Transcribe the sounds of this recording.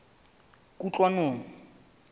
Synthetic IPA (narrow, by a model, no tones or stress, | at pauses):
kʼut͡ɬʼwanoːnɔ